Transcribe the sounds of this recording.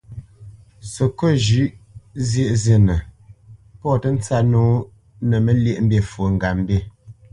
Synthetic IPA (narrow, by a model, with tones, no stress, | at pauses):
sə˨ko˦˨ʒʉ˦ʔzje˦˨ʔzje˨nə˨ | pɔ˦˨tə˦n̩˦t͡sa˦noː˦ | nə˨mə˦lje˦˨ʔm̩˦bje˦˨fo˨ŋ̩˨ɡa˨m̩˦be˦˨